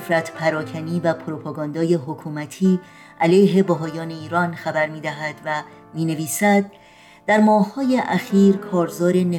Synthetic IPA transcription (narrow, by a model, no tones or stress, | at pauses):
fɾæt̪ʰpʰæɾɒːcʰæniːvæpʰoɾopʰɑɡɒːnd̪ɒːje̞ɦokʰuːmæt̪ʰiː | ʔælejɦe̞bæɦɒːjɒːne̞iːɾɒːnxæbæɾmiːd̪æɦæd̪væ | miːne̞viːsæd̪̚ː | æɾmɒːhhɒːje̞ʔæxiːɾkʰɒːɾzɒːɾe̞ne